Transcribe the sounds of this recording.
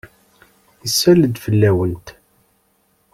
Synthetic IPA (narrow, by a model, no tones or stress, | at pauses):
əsːæləd̪fəlːæwənt̪